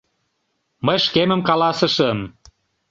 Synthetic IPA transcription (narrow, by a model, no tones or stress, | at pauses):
məjʃkemə̆mkɑlɑsə̆ʃə̆m